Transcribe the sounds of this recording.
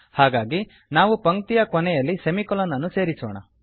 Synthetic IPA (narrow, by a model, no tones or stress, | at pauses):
haːɡaːɡi | naːʋupɐŋkt̪ijɐkɔnɛjɐlːisemikɔlɐnːɐnːuse̞ːɾisɔːɳɐ̰